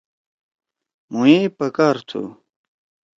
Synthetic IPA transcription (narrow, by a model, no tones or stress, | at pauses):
muipɐkaɾt̪ʰṵ